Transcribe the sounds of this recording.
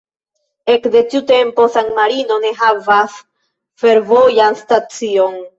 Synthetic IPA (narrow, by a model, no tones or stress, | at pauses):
e̞kde̞tiute̞mpo̞saŋmaɾino̞ne̞ɦavas | fe̞ɾvo̞janstat͡sio̞n